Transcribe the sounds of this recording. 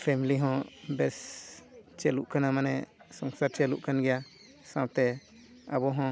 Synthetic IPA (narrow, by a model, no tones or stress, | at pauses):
pʰɛmiliɦɔ̃bɛs | t͡ʃɛluʔkanamanɛsɔŋsaɾt͡ʃɛlṵʔkanɡɛja | sawt̪ɛ | abɔɦɔ̃